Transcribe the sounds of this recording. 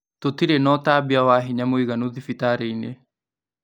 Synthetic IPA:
totiɾenɔtaːbiawaɦiɲamoiɣanoðifitaːɾeine

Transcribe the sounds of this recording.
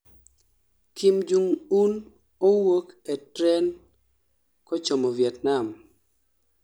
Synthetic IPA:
kimd͡ʒuŋun | owoketɾɛn | kɔt͡ʃomovjɛtnam

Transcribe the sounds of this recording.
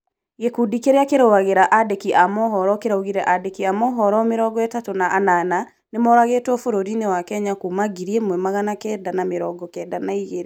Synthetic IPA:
ɣekudikeɾeakeɾɔwaɣeɾaʔadɛkiʔamɔɦɔɾɔkeɾauɣiɾɛʔadɛkiamɔɦɔɾɔmeɾɔɡɔɛtatonaʔːnana | nemɔɾaɣetwɔfoɾoɾinewakɛɲakumaɡiɾiɛmwɛmaɣanakɛːdanameɾɔɡɔkɛːdanaiɣeɾe

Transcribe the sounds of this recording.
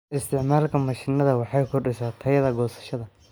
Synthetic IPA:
ʔɪst̪ʰɪʕmaːlkʰɐmɐʃɪnɐðɐwɑħɑjkʰʊɖɪsaːt̪ʰɐjɐðɐɡɔːsɐ̥ʃɐðɐ

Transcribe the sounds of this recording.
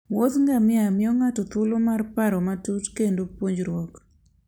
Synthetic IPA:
wot̪ŋɡamɪamɪɔŋatɔt̪ʊlomarpaɾɔmatutkendopwoɲd͡ʒɾwɔk

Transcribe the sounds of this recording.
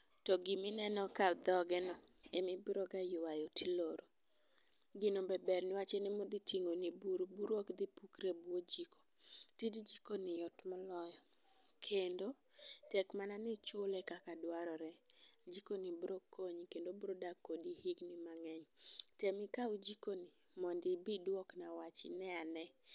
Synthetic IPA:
tɔɡɪmɪnɛnɔkad̪ɔɡɛnɔɛmɪbɾɔɡajʊwajotʰiloɾo | ɡɪnobɛbɛrnɪwat͡ʃɛnɛmod̪itiŋonibuɾbuɾwokd̪ipukɾebwod͡ʒiko̥tidd͡ʒikonɪjɔtmɔlɔjɔ | kʰendo | tɛkmananɪt͡ʃʊlɛkakadwaɾɔɾɛd͡ʒikonibɾokʰːoɲkendobɾodakːodihiɡnɪmaŋɛɲtemɪkaud͡ʒikonɪ | mɔndɪbidwɔknawat͡ʃɪnɛanɛ

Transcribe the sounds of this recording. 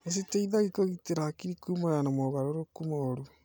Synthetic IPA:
es̬eteiðaɣikoɣiteɾakiɾikumoɣanamɔβaɾoɾokumoɾu

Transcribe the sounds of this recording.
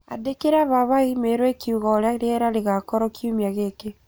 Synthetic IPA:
a̰dekeɾaβaβaimeɾwɛkʰiuɣɔɾeaɾeɛɾaɾeɣakɔɾɔkiumiaɣeke

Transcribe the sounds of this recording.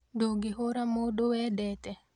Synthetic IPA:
duɡiɦoɾamodowɛdɛtɛ

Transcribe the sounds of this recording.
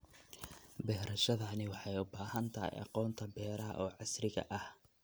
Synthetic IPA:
bɛːɾɐʃɐðɐnɪwɑħɑjʊbaːhɐnt̪ʰɐhɛ̰jɑ̰qɔːnt̪ʰɐbɛːɾɐ̰ʔɔːʕɑsrɪɣɐ̰ʔɐh

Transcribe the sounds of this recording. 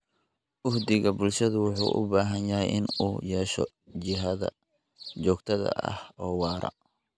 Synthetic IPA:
ʔʊhd̪ɪɣɐbʊlʃɐðʊwʊħṵːʔʊ̰baːɦɐnjɐɦɛjʔɪnuːjɛːʃɔ̰ | t͡ʃɪɦɐðɐ̰ | t͡ʃɔːɡt̪ʰɐðɐ̰ʔɐ̰hɔːwɑːɾɐ̰

